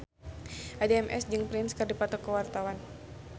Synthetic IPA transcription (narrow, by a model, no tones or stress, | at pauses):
ʔadeɛmʔɛ̰sd͡ʒɨŋpɾɪnskɨrdipat̪ɔkəwart̪awan